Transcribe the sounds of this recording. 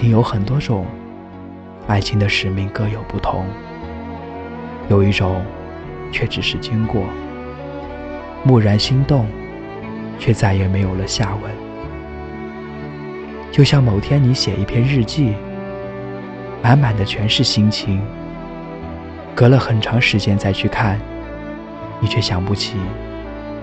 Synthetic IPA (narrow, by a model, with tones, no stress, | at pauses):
ni˧˥jo˧˥ʊxə˨˩nt̪wɔ˥ʈ͡ʂʊ˨˩˦ŋ | a˥˩ɪt͡ɕʰi˧˥ŋd̪ə˧ʂɻ̩˨˩mi˥˩ŋkɤ˥jo˨˩ʊpu˥˩t̪ʰʊ˧˥ŋ | jo˨˩ʊi˥˩ʈ͡ʂʊ˨˩˦ŋ | t͡ɕʰɥɛ˥˩ʈ͡ʂɻ̩˨˩ʂɻ̩˥˩t͡ɕi˥ŋkwɔ˥˩ | mu˥˩ɻə˧˥nɕi˥ŋt̪ʊ˥˧ŋ | t͡ɕʰɥɛ˥˧t͡sa˥˩ɪjɛ˧˥˩me˧˥ɪjo˨˩ʊlə˦ɕja˥˩we˥˩ɪ | t͡ɕjo˥˧ʊɕjɑ˥˩ŋmo˨˩ʊt̪ʰjɛ˥ni˧˥ɕjɛ˨˩ʔi˥˩pʰjɛ˥˧nɻɻ̩˥˧t͡ɕi˥˩ | ma˧˥nma˨˩nd̪ə˦t͡ɕʰɥɛ˧˥nʂɻ̩˥˩ɕi˥ŋt͡ɕʰi˧˥ŋ | kɤ˧˥lə˧xə˨˩nʈ͡ʂʰɑ˧˥ŋʂɻ̩˧˥t͡ɕjɛ˥nt͡sa˥˧ɪt͡ɕʰy˥˧kʰa˥˩n | ni˨˩t͡ɕʰɥɛ˥˩ɕjɑ˨˩ŋpu˥˩t͡ɕʰi˨˩˦